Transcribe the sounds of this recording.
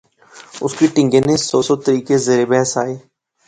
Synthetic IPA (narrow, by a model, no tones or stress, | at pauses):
ʊskiʈɪ̃ŋɡenẽsɔːsɔːt̪əɾiːkezeːɾebɛɦsaːeː